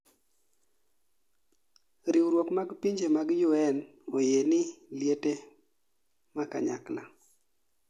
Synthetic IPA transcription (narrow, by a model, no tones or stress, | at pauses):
ɾiwɾwokmaɡpiɲd͡ʒemaɡjʊɛn | ojenɪljete | maka̰ɲa̰kla̰